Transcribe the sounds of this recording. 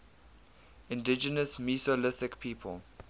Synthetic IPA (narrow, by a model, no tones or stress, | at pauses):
ɪ̃ndɪd͡ʒənəsmisolɪθɪkpʰiːpʰəl